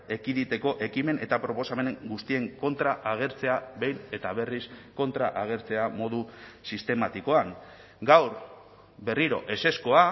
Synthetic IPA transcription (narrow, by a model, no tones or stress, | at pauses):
e̞kiðit̪e̞ko̞ʔe̞kime̞nʔe̞t̪apɾo̞po̞same̞ne̞ŋɡust̪ie̞ŋko̞nt̪ɾaʔaɣ̞e̞ɾt͡se̞abe̞jne̞t̪aβe̞risko̞nt̪ɾaʔaɣ̞e̞ɾt͡se̞amo̞ðusist̪e̞mat̪iko̞aŋ | ɡawɾ | be̞riɾo̞̰ʔe̞se̞sko̞a